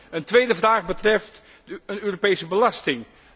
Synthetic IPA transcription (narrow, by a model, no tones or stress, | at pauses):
əntʋejdəvraːχbətrɛft | ənøːropejsəbəlɑstɪŋ